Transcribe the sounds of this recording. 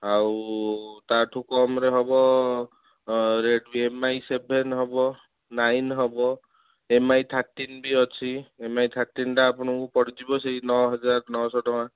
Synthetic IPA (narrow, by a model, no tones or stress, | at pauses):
aw | t̪aʈʰukɔmɾeɦɔbɔ | ɾeɖbiemajsebʱenɦɔbɔ | najnɦɔbɔ | emajt̪ʰaɾʈːinbiɔt͡ʃʰiemajt̪ʰaɾʈːinʈaːpɔɽ̃ɔŋkupɔɽid͡ʒibɔseinɔɦɔd͡ʒaɾnɔsɔɖɔw̃a